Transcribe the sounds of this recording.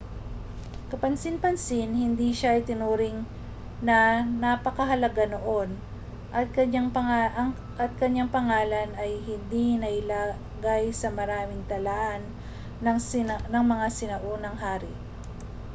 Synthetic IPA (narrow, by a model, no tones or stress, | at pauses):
kɐpɐnsɪnpɐnsɪnhɪnd̪iʃaʔɪjt̪ɪnuːɾɪŋ | nɐnɐpɐkɐɦɐlɐɡanoʔo̞n | ʔɐt̪̚kɐɲaŋpɐŋ | ʔɐt̪̚kɐɲaŋpɐŋaːlɐnɐjhɪnd̪inɐʔɪlaː | ɡajsɐmɐɾaːmɪŋt̪ɐlaːʔɐn | nɐŋmɐŋasɪnɐʔonɐŋɦaːɾɪ